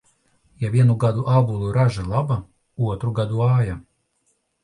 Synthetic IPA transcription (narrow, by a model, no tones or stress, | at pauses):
javʲiɛnuɡad̪uʔabulˠuɾaʒalˠaba | uɔt̪ɾuɡad̪uaːja